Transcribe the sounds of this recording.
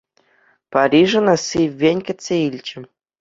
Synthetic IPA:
paɾʲiʐɤ̆nɑsiːenʲkʲɘ̆sʲeilʲt͡ɕɘ̆

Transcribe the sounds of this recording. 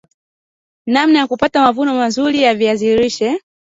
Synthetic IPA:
nam̩najakupatamavunɔmazulijaviaziɾiʃɛ

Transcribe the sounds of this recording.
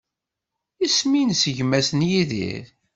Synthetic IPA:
isminsəʝmæsənjiðḭɾ

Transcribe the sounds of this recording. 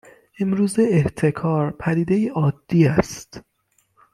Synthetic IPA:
ʔe̞mɾuːzeeht̪ʰe̞kʰɒːɾpʰæd̪iːd̪ejiʔɒːd̪̥ːiːæst̪

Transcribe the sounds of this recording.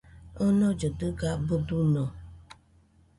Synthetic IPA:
ɔnɔd͡ʒədəɡabədunɔ

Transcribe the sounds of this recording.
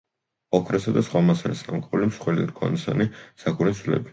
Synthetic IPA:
ɔkʰɾɛsad̪asχwamasanisnamkʼulimsχwɛlḭɾkʰʼɔ̰nisanisakʰuɾisʰlɛ̰bi̥

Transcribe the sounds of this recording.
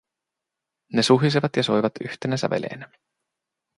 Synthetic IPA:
ne̞suɦis̬iʋɑt̪jɑsojʋɑt̪yht̪enæsæ̰ʋe̞̰lʔḛːnæ

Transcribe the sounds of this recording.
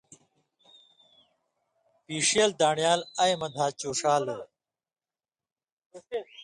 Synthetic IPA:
piːʂeːld̪aːɳjaːlɐjmɐd̪ʱaːt͡ɕoːʂaːlo

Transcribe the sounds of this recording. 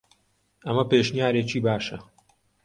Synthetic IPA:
ʔɐmɐpeːʃnijaːɾeːt͡ʃiːbaːʃɐ

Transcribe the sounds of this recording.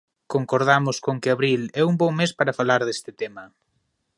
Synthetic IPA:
koŋkoɾðamʊskoŋkɪaβɾilɛumbɔŋmespaɾafalaɾðest̪ɪt̪emɐ

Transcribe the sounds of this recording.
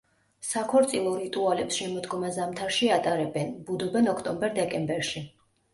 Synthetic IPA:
sakʰɔɾt̪sʼilˠɔɾit̪ʼualɛpsʃɛmɔd̪ɡɔmazamt̪ʰaɾʃiat̪ʼaɾɛbɛnbud̪ɔbɛnɔkʰt̪ʼɔmbɛɾd̪ɛkʼɛmbɛɾʃi

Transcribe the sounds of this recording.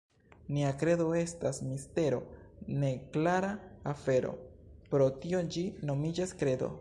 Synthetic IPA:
niakɾe̞do̞e̞stasmiste̞ɾo̞̰ne̞klaɾaːfe̞ɾo̞̰pɾo̞tio̞d͡ʒino̞mid͡ʒaskɾe̞do̞̰

